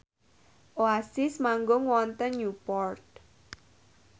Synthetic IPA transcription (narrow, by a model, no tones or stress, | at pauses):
ʔoasɪsmaŋɡʊŋwɔnt̪ənjupɔrt̪̚